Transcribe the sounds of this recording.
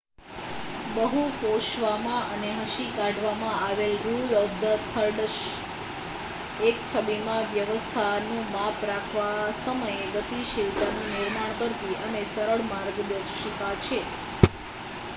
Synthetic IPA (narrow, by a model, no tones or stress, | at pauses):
bəɦukoʃʋamãəneɦəʃikaɖʱʋamãaʋelɾulɔfd̪ət̪ʰəɾɖəʃ | ekt͡ʃʰəbimãʋjəʋəst̪ʰanũʋapɾakʰʋasəməjeɡət̪iʃilt̪anũniɾmaɳ̃kəɾt̪iʔənesəɾəɭmaɾɡd̪əkʃik̪at͡ʃʰe